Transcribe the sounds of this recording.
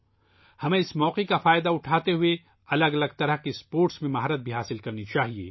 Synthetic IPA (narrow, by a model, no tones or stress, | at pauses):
hɐmẽɪsmɔːqekafaːɪd̪aʊʈʰaːt̪eɦʊe | ɐləɡɐləɡt̪ɐɾəɦkispoːɾʈsmẽmɐɦɾət̪̚bʱiɦaːsɪlkɐɾnit͡ʃaːɦiḛː